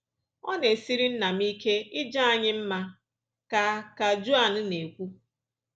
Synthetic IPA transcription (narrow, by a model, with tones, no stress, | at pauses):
ɔ˦ne˨si˦ɾi˦n̩˦na˨m̩i˦ke˦ɪ˦d͡ʒa˦a˨ɲɪ˦m̩˦ma˦ | ka˨ka˨d͡ʒu˦a˨n̩˦ne˨kʷu˦